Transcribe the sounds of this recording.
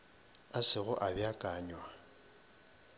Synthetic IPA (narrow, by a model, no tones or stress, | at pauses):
asɪɣʊʔabjakʼaːɲwa